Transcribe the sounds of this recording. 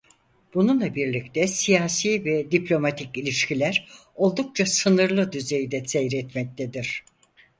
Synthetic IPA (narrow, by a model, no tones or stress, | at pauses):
b̥ununlˠabiɾlʲict̪ʰɛsijaːsiːvɛd̪iplʲo̞mat̪ʰicilʲiʃcilʲæɾ | o̞lˠd̪uk̚t͡ʃʰasɯnɯɾlˠɯd̪yze̞jd̪ɛsejɾɛt̪mɛc̚t̪ʰed̪iɾ̝̥